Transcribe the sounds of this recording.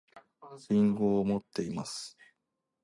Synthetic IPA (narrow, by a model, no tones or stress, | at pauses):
ĩŋɡoːmo̞t̪ːe̞imasɨ̥